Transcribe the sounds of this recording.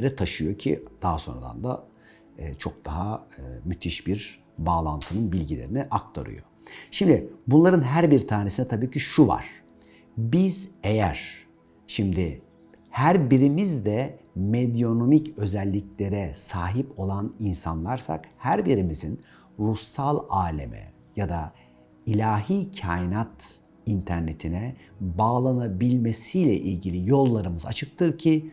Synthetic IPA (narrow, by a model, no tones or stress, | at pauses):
eɾɛt̪ʰaʃɯjo̞cʰḭd̪̥aɦaso̞̰ɾa̰d̪a̰nd̪a̰ː | t͡ʃʰo̞k̚d̪̥aɦaɯmyt̪ʰiʃbiɾ | baːlˠa̰nt̪ʰɯnɯnbilʲɟilʲeɾiniʔak̚t̪ʰa̰ɾɯ̰jo̰ | ʃimd̪ɪbunlˠaɾɯnɦæɾbiɾt̪ʰaːnesinɛt̪ʰabiːcʰiʃuva̰ɾ̥ | biz̥ejæ̰ɾ̥ | ʃimd̪ɪ | hæɾbiɾimizd̪ɛ | med̪ijo̞no̞micø̞zɛlʲːiclʲe̞ɾɛsaːɦipo̞lˠaninsa̰nlˠaɾsa̰khæɾbiɾimizin | ɾusːalˠaːlʲḛmɛ̰ | jad̪a̰ | ilʲaːɦiːcʰajinat̪ | int̪ʰæɾne̞t̪ʰinɛbaːlˠanabilʲme̞sijlʲɛ̰ʔilʲɟilʲijo̞lˠːaɾɯmɯza̰t͡ʃʰɯk̚t̪ʰɯɾcʰi